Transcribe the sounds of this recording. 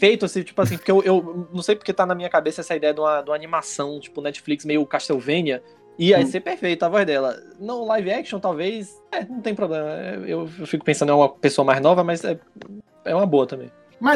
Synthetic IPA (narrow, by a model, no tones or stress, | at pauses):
fejt̪ʊasĩt͡ʃi̥pʊasĩpoɾkeewʔewnɐ̃w̃sejpoɾket̪anɐmĩɲɐkabesɐɛsɐid̪ɛjɐd̪ũmɐd̪ũmanĩmasɐ̃w̃t͡ʃi̥pʊnɛt͡ʃi̥fliksmejʊkaʃt̪ewvẽniɐ | iajsepeɾfejt̪ʊavɔjzd̪ɛlɐ̰ | nõlajviɛkʃõw̃t̪awvejs | ɛnɐ̃w̃t̪ẽj̃pɾoblẽmɐɛ̰ḛwewfikʊpẽsɐ̃nd̪ɛũmɐpesoɐmajznɔvɐmɐzɛ | ɛũmɐboɐt̪ɐ̃mbḛ̃j̃ | mɐ